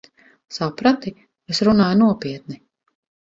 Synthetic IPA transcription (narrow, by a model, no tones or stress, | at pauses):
sapɾat̪i | kasɾunaːjnuɔpiɛt̪̚ni